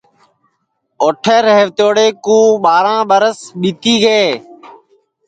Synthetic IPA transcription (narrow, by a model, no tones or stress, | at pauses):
oːʈʰeːɾeːʋt̪oːɽeːkũːɓaːɾãːɓəɾəsɓiːt̪iːɡeː